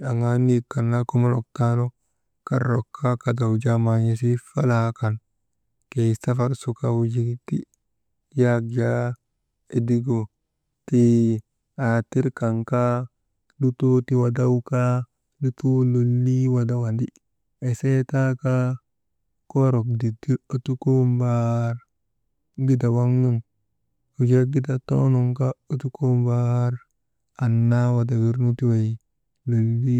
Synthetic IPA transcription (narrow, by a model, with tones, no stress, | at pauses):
a˨ŋa˨ni˦kːa˨nːa˦ku˦ma˦ɾɔ˨k̚ta˦no˦ | ka˦ɾo˨kʰːa˦ka˨da˨wd͡ʒa˦ma˨ɲe˦s̬i˦fa˦la˦ka˨n | ke˨sa˦fa˦ɾsu˨kawd͡ʒi˦ti˦ | ja˦ɡd͡ʒa˦ | e˨di˦ɡo˨ | ti˦ | a˨ti˦ɾka˨ŋka˦ | du˦to˦ti˨wa˨da˦wka˦ | du˦tu˦lo˨lːi˦wa˨da˨wa˨ndi˦ | e˨se˦ta˦ka˦ | ko˦ɾo˨k̚di˨di˦ɾu˦tu˦ku˦mba˦ɾ | ɡi˦da˨wa˦ŋːu˦n | u˨d͡ʒa˦ɡi˦da˨to̰˦no˨ŋka˦u˦tu˦ku˦mba˦ɾ | a˨nːa˦wa˨da˨wi˦ɾnu˦ti˦we˨ | lo˨lːi˦